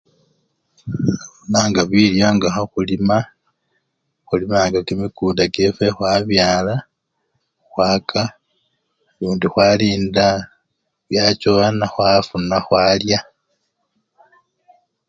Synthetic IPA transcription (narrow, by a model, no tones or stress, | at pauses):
afunaŋɡaβiljoŋɡahoxulima | xulimaːŋɡakemikuːndakefexwaβjaːla | xwaːkʰa | luːndixwaliːnda | βjat͡ʃoanaxwafunaxwaːlja